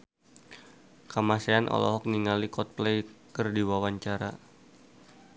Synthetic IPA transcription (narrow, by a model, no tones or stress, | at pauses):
kamaseanʔɔ̰lɔ̰ɦɔk̚niŋalikɔt̪̚plejkərdiwawaɲt͡ʃaɾa̰